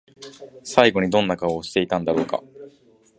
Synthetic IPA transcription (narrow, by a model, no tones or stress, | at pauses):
saiɡo̞ɲ̟id̪õ̞nːakaoːɕi̥t̪e̞it̪ãnd̪aɾo̞ːka̰